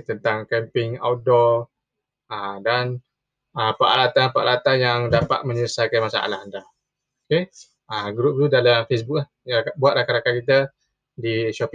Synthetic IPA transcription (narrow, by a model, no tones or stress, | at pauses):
t̪ənt̪aŋkɛmpɪŋa̰wdɔ | adan | əpaʔalat̪apaʔalat̪anjaŋdapa̰t̪̚mə̃ɲələsakanmasa̰ʔa̰lahanda | oke | aɡɾup̚t̪udalamfes̬buk̚lahabuat̪̚lahkaɾakakit̪ə | diʃɔp